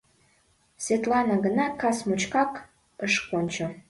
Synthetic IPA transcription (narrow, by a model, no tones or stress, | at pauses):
svʲet̪lɑnɑɣənɑkɑsmut͡ɕkɑk | əʃkonʲt͡ɕo